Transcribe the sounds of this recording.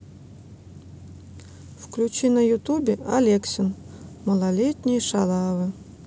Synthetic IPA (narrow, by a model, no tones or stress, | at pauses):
fklʲut͡ɕinɐjʊt̪ubʲɪalʲeksʲɪn | mɐlˠalʲet̪ʲnʲɪjʂalˠavɨ